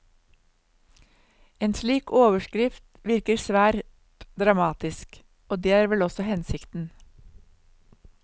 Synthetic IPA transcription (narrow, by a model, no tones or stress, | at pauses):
eːnsliːkʰoːʋəʃkɾɪft̪ʋɪɾkəɾsʋæːɾt̪ | d̪ɾɑmɑːt̪ɪsk | oːd̪eːæːɾʋɛlɔsɔhɛnsɪkt̪n̩